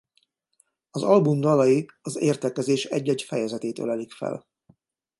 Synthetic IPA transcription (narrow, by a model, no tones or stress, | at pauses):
ɒzɒlbumd̪ɒlɒjiɒzeːrt̪ɛkɛzeːʃɛ̰ɟːɛɟfɛjɛzɛt̪eːt̪ø̰lɛlikfɛ̰l